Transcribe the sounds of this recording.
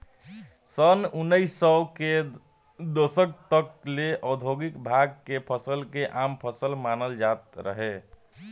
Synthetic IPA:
sənunːəisəke | d̪osək̚t̪əkleʔəd̪ʱoɡikbʱaɡ̚kepʰəsəlkeʔampʰəsəlmanəld͡ʒat̪̚ɾə̰ɦe

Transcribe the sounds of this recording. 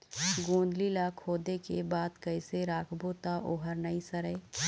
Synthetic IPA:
ɡõːnd̪lilakʰoːd̪ekebaːd̪kəɪseɾaːkʰboːt̪aʔoːɦəɾnəisəɾəɪ

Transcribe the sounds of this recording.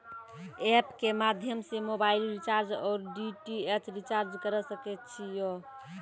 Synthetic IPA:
epkemad̪ʱjəmsemobailɾit͡ʃaɾd͡ʒɔːɾɖiʈiesɾit͡ʃaɾd͡ʒkəɾəsəkɛt̪t͡ʃʰijo

